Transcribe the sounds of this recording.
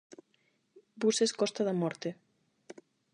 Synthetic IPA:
buseskɔst̪aðamɔɾt̪e

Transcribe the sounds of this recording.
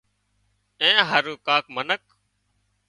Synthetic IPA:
ẽːɦəɾuːkaːkmənək

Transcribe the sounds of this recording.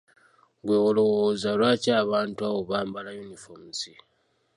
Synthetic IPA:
ɡweːwolowozalwaːcaːβaːntuaβo̞βaːmbalajunifomusi

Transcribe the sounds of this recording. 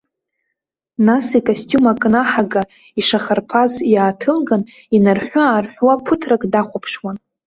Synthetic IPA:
nasikʰostʼumakʼnaħaɡa | iʂaχarpʰazjaːtʰɨlɡan | inarħʷaːrħʷwapʰɨtʰrakʼdaχʷapʰʂwan

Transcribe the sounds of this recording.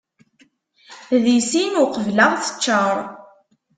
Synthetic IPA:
ðisinʊqəvlaʁθə̥t͡ʃːəɾˤ

